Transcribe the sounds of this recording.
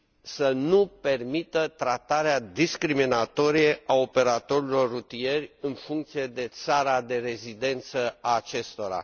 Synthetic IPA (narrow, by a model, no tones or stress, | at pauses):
sənupe̞rmit̪ət̪ɾat̪aɾead̪iskɾiminat̪o̞ɾije̞ʔao̞pe̞ɾat̪o̞ɾilo̞rːut̪ije̞rʲɨnfuŋkt̪sije̞d̪e̞t̪saɾad̪e̞ɾe̞zid̪e̞nt̪səaːt͡ʃe̞st̪o̞ɾa̰